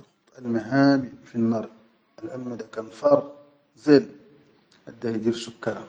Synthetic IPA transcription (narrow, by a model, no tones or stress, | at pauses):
t̪ˤəlmæɦæbifinːɑɾˤ | ʔəlʕalmæd̪ækænfɑɾˤ | zæl | ħad̪ːæjd̪iɾsʊkːæɾa